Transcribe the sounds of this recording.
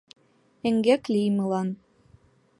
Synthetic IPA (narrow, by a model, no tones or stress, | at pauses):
ɘ̆ŋɡæklʲijmɤ̆lˠɑn